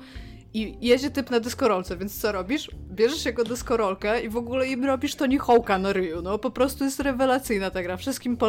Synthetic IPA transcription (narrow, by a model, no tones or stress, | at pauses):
ijed͡ʑɛt̪ɘpnad̪ɛskɔɾɔlt̪sɛvʲjɛnt̪st̪sɔɾɔbʲiʂbʲjɛʐɛʂjaɡɔd̪ɛskɔɾɔlkɛivɔɡulɛimɾɔbʲiʂt̪ɔɲɛxɔwkanaɾɘjunɔpɔpɾɔst̪ujɛst̪ɾɛvɛlat̪sɘjnat̪aɡɾafʂɘst̪kʲimpɔ